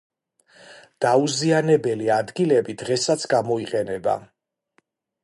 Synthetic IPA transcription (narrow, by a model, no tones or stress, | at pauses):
d̪̥auzianɛbɛliad̪ɡilɛbid̪ʁɛsat̪sʰɡamɔiqʼɛnɛba̰